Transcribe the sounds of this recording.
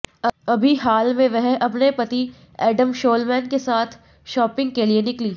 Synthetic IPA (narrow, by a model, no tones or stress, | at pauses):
ɐbʱiɦaːlmẽʋɛɦɐpnepɐt̪i | ɛːɖəmʃoːlmɛ̃ːnkesaːt̪ʰ | ʃɔːpɪ̃ŋɡ̚kelienɪkliː